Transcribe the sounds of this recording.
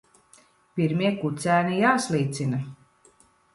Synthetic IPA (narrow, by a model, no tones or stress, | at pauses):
pʲiɾmʲiɛkut̪sʲæːnijaːslˠiːt̪sina